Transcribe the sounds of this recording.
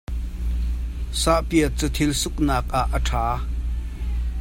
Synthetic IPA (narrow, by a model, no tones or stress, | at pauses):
saʔpiət͡sət̪ʰilsʊk̚naːk̚ʔaʔːəʈʰaː